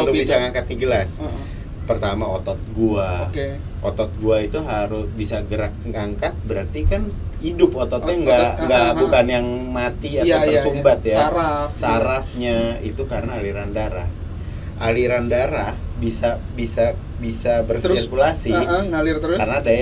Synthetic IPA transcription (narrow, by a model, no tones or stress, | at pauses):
unt̪ʊk̚bisaŋaŋkat̪̚iɡəlas | pərt̪amaot̪ɔt̪̚ɡuaoke | ʔot̪ɔt̪̚ɡuait̪uɦaɾʊsbisaɡəɾak̚ŋaŋkat̪̚bəɾart̪ikan | idʊpot̪ɔt̪ɲaŋɡaɡabukanjaŋmat̪iaaərsumbat̪̚jaafsaɾafɲait̪ukaɾənaːliɾandaɾa̰h | ʔaliɾandaɾahbisa | bisa | bisabərspekulasiŋalɪrt̪əɾkanadaj